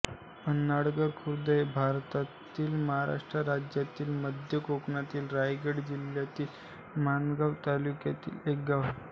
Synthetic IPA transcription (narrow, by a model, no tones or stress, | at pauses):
ənːaɽɡəɾkʰuɾd̪əjbʱaɾt̪at̪iːlməɦaɾa̰ʂʈɾəɾad͡ʑjat̪iːlməd̪ʱjəkokɳat̪iːlɾajɡəɽd͡ʑiljat̪iːl | manɡaʋt̪alukjat̪ḭːlek̚ɡaʋ